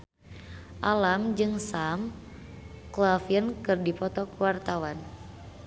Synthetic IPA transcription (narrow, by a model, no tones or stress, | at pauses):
ʔalamd͡ʒɨŋsam | klafiənkɨrdipɔt̪ɔkwart̪awan